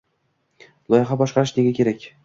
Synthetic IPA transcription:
lˠɒjɪχɑbɒʃqʰɑɾɪʃneɡʲakʲe̞ɾakʲ

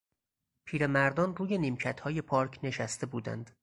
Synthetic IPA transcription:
pʰiːɾe̞mæɾd̪ɒːnruːje̞niːmcʰæt̪hɒːje̞pʰɒːɾcʰne̞ʃæst̪e̞buːd̪æ̰nd̪̥

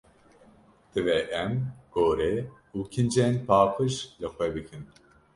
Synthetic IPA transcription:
t̪ɨvɛʔɛmɡ̥oːɾe | uːkʰind͡ʒɛnpʰaːqɨʃlɨxʷɛbɨkʰɨn

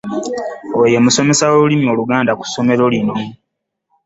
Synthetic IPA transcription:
oje̞muso̞me̞sawoɾulimio̞ːluɡaːndaku̥sːo̞me̞ɾo̞lino̞

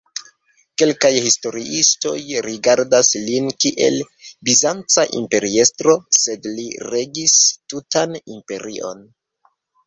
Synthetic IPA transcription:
ke̞lkajhisto̞ɾiʔisto̞jɾiɡaɾdaslinkiʔe̞̰l | bizant͡saʔḭmpe̞ɾie̞stɾo̞se̞dliɾe̞ɡistutanimpe̞ɾiʔo̞̰n

